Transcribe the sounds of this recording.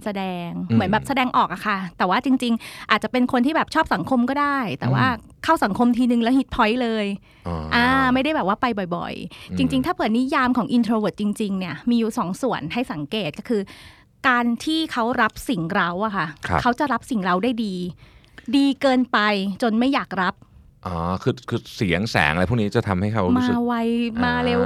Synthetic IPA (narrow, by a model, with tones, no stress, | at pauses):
sa˧dɛː˧ŋmɯ˩˦nbɛː˨˩p̚sa˧dɛː˧ŋʔɔː˨˩k̚ʔa˨˩kʰa˥˩t̪ɛː˨˩waː˥˩t͡ɕi˧ŋt͡ɕi˧ŋʔaː˨˩t̪̚t͡ɕa˨˩pe˧nkʰo˧nt̪ʰiː˥˩bɛː˨˩p̚t͡ɕʰɔː˥˩p̚sa˩˦ŋkʰo˧mkɔː˥˩daː˥˩jt̪ɛː˨˩wa̰ː˥˩ | kʰaː˥˩wsa˩˦ŋkʰo˧mt̪ʰiː˧nɯ˨˧ŋlɛ˦˥whi˨˦˩t̪̚pʰɔ˦˥jlɤː˧j | ʔaː˧ma˥˩jɾa˥˩jbɛː˨˩p̚waː˥˩pa˧jbɔ˨˩jbɔ̰˨˩jt͡ɕi˧ŋt͡ɕi˧ŋt̪ʰaː˥˩pʰɯː˨˩˦nːi˦˥jaː˧mkʰɔː˩˦ŋʔi˧nt̪ʰɾoː˧we˨˩t̪̚t͡ɕi˧ŋt͡ɕi˧ŋni˥˩ɐmiː˧juː˨˩sɔː˨˩˦ŋsu˨˩ənha˥˩jsa˨˩˦ŋkeː˨˩t̪̚kɔ˥˩kʰɯː˧ | kaː˧nt̪ʰiː˥˩kʰa˦˥wɾa˦˥p̚si˨˩ŋɾa˦˥wʔa˨˩kʰa˥˩a̰˦kʰa˦˥wt͡ɕa˨˩ɾa˦˥p̚si˨˩ŋɾa˧˥wdaː˥˩jdiː˧ | diː˧kɤː˧npa˧jt͡ɕo˧nma˥˩jaː˨˩k̚ɾa˦˥p̚ | ʔɔː˧˦kʰɯː˧kʰɯː˧si˩˦əŋsɛ̰ː˩˦ŋʔpʰːni˦˥t͡ɕa˨˩t̪ʰa˧mha˥˩jkʰa˦˥wmaː˧wa˧jmaː˧le˧w